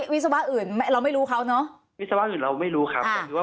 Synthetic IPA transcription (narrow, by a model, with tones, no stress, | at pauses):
wi˦˥t̪̚sa˧wa˦˥ʔɯː˨˩nm˥ɾa˧wma˥˩jɾuː˦˥kʰa˦˥wnɔ˦˥ʔ | wi˦t̪̚sa˧wa˦˥ʔɯː˨˩nɾa˧wma˥˩jɾuː˦˥kʰa˦˥paː˧˩ɯː˧˩waː˥